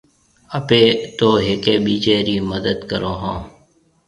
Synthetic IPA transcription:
əpeːt̪oːɦekeːɓiːt͡ʃeːɾiːməd̪əd̪kəɾoːɦãː

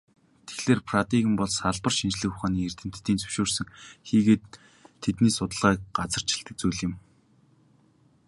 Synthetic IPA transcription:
t̪ʰe̥xɮeːrpʰrat̪iɣɘ̆mpɔɮsaɮpə̆rʃint͡ɕɮɘ̆xʊχaːniːer̥t̪ɘ̆m̥t̪ːiːnt͡sʰɵ̥wʃoːrsɵ̆ŋxiːɣeːt̪ʰː | et̪niːsʊt̪ə̆ɮʁæːk̚ɢat͡sə̆r̥t͡ɕɪ̥̆ɬt̪ɘ̆k̚t͡sujɮɪ̆m

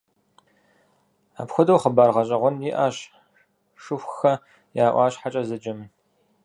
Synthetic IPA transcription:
a̰ːpxʷʊdɐwχəbaːrʁɐɕʼɐʁʷʊnjiʔaːɕ | ʂɨxʷxɐ | jaːʔʷɑ̰ːɕħat͡ʃʼɐzɨd͡ʒɪm

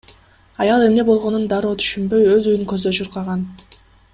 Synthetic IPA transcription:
ɑjɑlˠe̞mne̞bo̞lˠʁo̞nund̪ɑɾoːt̪ʰy̥ʃymbø̞jøzyjyŋkø̞zd̪øt͡ʃʰuɾqɑʁɑn

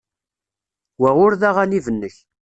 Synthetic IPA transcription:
wæʁʊɾðaʁænivənːəç

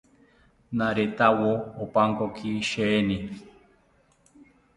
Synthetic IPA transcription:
naɾet̪awoopaŋkokʰiʃeni

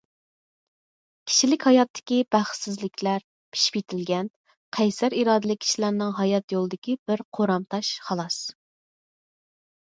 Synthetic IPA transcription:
kʲʰi̥ʃilɪkʲhɑjɑt̪ʰːɪ̥kʲibæχsɪzlɪkʲʰlæɾ | pʰi̥ʃi̥pit̪ʰɪlɡʲɛn | qʰæjsæɾiɾɑːd̪ɨlˠɪkʲʰːi̥ʃlæɾnɪŋɦɑjɑt̪jolˠɨd̪ɪkʲibɪɾqʰoɾɑmt̪ʰɑʃχɑlˠɑs

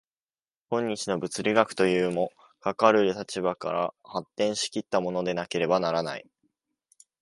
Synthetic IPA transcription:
kõ̞ɲ̟ːit͡ɕino̞bɯ̟t͡sɨɾʲiɡakɯ̟̥t̪o̞jɯːmo̞ | kakaɾɯ̟ɾɯ̟t̪at͡ɕibaka̰ɾa̰hat̪ːẽ̞ɰ̃ɕi̥kʲit̪ːamo̞no̞d̪e̞nake̞ɾe̞banaɾana̰i

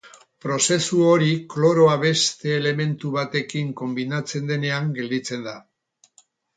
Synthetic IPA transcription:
pɾo̞se̞suo̞ɾiklo̞ɾo̞aβe̞st̪e̞ːle̞me̞nt̪uβat̪e̞kiŋko̞mbinat͡se̞nd̪e̞ne̞aŋɡe̞ld̪it͡se̞nd̪a

